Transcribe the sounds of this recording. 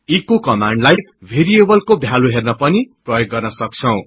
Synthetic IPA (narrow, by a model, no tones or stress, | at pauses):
ikokʌmaɳɖlaj | bʱeɾiebʌlkobʱjaluɦernʌpʌniprʌjoɡːʌrnʌsʌk̚t͡sʰʌw̃